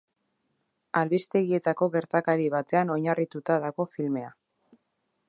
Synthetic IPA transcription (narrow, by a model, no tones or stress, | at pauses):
alβist̪e̞ɣie̞t̪ako̞ɣe̞ɾt̪akaɾiβ̞at̪e̞ano̞ɲarit̪ut̪aðaɣo̞filme̞a